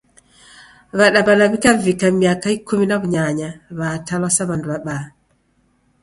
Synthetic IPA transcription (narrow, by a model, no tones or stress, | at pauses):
βaɗabalaβikavikamiakaikuminaβuɲaɲaβatalɔsaβanduβaɓa